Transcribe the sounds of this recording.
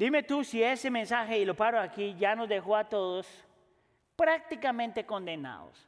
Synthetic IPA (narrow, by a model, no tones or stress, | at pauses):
d̪ime̞t̪usiesemensaxeilo̞paɾoakiʝano̞zðe̞xoat̪oðos | pɾak̚t̪ikamẽnt̪e̞ko̞nd̪ena̰ðo̰s